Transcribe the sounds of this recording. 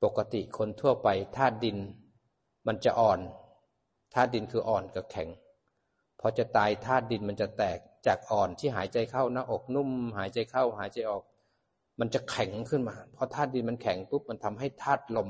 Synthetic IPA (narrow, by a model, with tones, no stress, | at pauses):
po˨˩kːa˧t̪i˨˩kʰo˧nt̪ʰu˥˩ɐpa˧jt̪ʰaː˥˩t̪̚di˧n | ma˧nt͡ɕa̰˨˩ʔɔː˨˩n | t̪ʰaː˥˩t̪̚di˧nkʰɯː˧ʔɔː˨˩nka˧˩kʰɛ˩˦ŋ | pʰɔ˧t͡ɕa˨˩t̪aː˧jt̪ʰaː˥˩t̪̚di˧nma˧nt͡ɕa˨˩t̪ɛː˨˩k̚t͡ɕaː˨˩k̚ʔɔː˨˩nt̪ʰiː˥˩ɦaː˩˦jt͡ɕa˧jkʰa˧˥˩wnaː˧˥˩ʔo˨˩k̚nu˥˩˨mɦaː˩˦jt͡ɕa˧jkʰa˥˩wɦaː˨˩˦jt͡ɕa˧jʔɔː˨˩k̚ | ma˧nt͡ɕa˨˩kʰɛ˨˩˦ŋkʰɯ˥˩nmaː˧pʰɔ˧t̪ʰaː˥˩t̪̚di˧nma˧nkʰɛ˩˦ŋt̪u˦˥p̚ma˧nt̪ʰa˧mɦa˥˩jt̪ʰaː˥˩t̪̚lo˧m